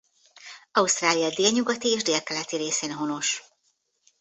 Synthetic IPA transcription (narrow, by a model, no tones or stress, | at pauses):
ɒust̪raːlijɒd̪eːlɲuɡɒt̪ieːʒd̪eːlkɛlɛt̪iɾeːseːnɦo̞no̞ʃ